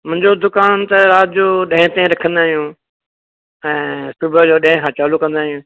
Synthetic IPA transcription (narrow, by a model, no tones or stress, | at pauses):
mʊ̃ɦɪ̃ɲd͡ʑod̪ʊkaːnt̪ɐɾaːt̪d͡ʑoːɗɐ̃ɦɪ̃t̪ẽɾɐkʰə̃nd̪aːɦijũː | ɛ̃ːsʊbʱəd͡ʑoːɗɐ̃ɦɪ̃kʰãːt͡ɕaːlukɐ̃nd̪aːɦijũː